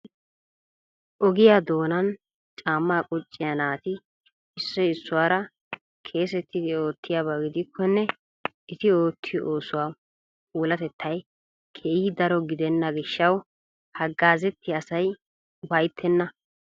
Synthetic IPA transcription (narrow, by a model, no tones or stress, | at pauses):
ʔɔɡɪjad̪o̞ːnɐn | t͡ʃʼaːmːaːkʼʊt͡ʃʼːɪjanaːt̪ɪ | ɪsːɔɪsːʊwaːɾɐ | kʰe̞ːs̬ɛt̪ʰːɪd̪ɪo̞ːt̪ʰːɪjabɐɡɪd̪ɪkʰːɔnːɛ | ɪt̪ɪo̞ːt̪ʰːɪjʔoːsʊwaː | kʼuːlɐt̪ɛt̪ʰːɐj | kʰɛʔiːd̪ɐɾɔɡɪd̪ɛnːɐɡɪʃːɐw | hɐɡːaːzɛt̪ːɪɐsɐj | bɐjt̪ʰːɛnːɐ